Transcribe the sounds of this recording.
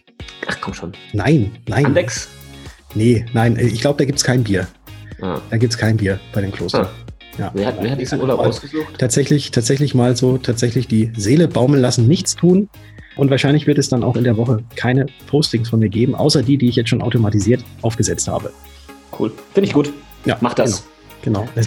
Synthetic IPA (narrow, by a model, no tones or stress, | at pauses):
ʔaχkʰɔmʃoːnnaɪnːaɪnandɛks | nənaɪnʔɛːɪçɡ̥laʊbəd̥aːɡiːp̚tskʰaɪnbiːɐ | a̰d̥aːɡiːptskʰaɪnbiːɐb̥aɪdeːmkʰl̥o̰ːsɐ | ja̰ːveɐhaeːɐhatdiːzn̩ṵːɐlaʊpaʊsɡ̥əzuːxtʰaːtz̥ɛçlɪçtʰaːtz̥ɛçlɪçmaːlzoːtʰaːtz̥ɛçlɪçd̥iːzeːləbaʊmənlasn̩nɪçt͡stʰuːn | ʔʊntv̥aːɐʃaɪnlɪçv̥ɪɐtɛsd̥ana̰ʊxɪndeːɐvɔχəkʰaɪnəpʰoʊstɪŋsfɔnmiːɐɡeːbm̩ʔa̰ʊsɐdiːdiːɪçjɛt͡stʃoːnʔaʊtomatiziːɐtʔaʊfɡ̥əzɛt͡stha̰ːbə | kʰṵːlfɪndɪçɡ̥uːt | ja̰ːmaχd̥a | ɡ̥ənaʊɛs